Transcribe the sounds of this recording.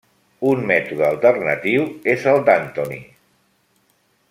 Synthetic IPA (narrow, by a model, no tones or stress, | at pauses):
unmɛt̪uð̞əːlˠt̪ərnət̪iwezəlˠd̪ant̪onḭ